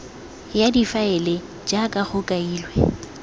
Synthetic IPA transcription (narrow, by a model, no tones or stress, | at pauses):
jadifaɛle | d͡ʒakʼaχʊkʼaiːlwɛ